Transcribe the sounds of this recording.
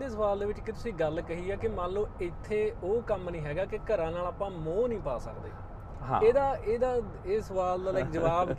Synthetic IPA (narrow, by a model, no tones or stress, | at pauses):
eːsəʋaːld̪eːʋɪt͡ʃkɪt̪ʊsĩːɡəlkəɦiːɛːkɪmãːnloːɪt̪ʰːeːoːkəmnĩːɦɛːɡaːkɪkəɾãːnaːlaːpãːmõːnĩːpaːsəkd̪ḛː | ɦeːd̪aːeːd̪aː | esəʋaːld̪aːləːkd͡ʒəʋaːb